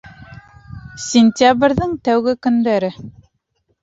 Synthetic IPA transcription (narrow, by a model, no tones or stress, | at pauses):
sʲɪnʲt̪ʲabɾʲðɤŋt̪æwɡɘkɵ̆nd̪æɾɘ